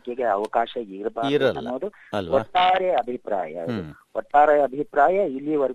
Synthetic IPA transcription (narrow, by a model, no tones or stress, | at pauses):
keɡeɐʋɐkaːʃɐiɾbʱaːɾɐnːuʋɐd̪u | ɔʈːaːɾeɐbʱipɾa̰ːjɐ̰ʋd̪u | ɔʈːaːɾeɐbʱipɾaːjɐilːiʋɐɾ